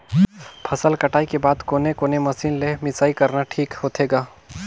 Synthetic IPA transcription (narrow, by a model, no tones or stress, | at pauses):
pʰɐsəlkɐʈaːikebaːd̪koːnekoːnemɐsiːnlemɪsaːikɐɾnaʈʰiːkhoːt̪ʰeːɡaː